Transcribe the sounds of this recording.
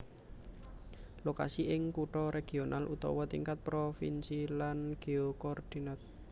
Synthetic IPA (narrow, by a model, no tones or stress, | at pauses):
loka̰siʔɪŋkuʈɔɾeɡ̥ionʔalʔṵt̪ɔ̰wɔt̪iŋkat̪̚pɾofḭnsilanɡ̥eokɔrd̪̥inat̪̚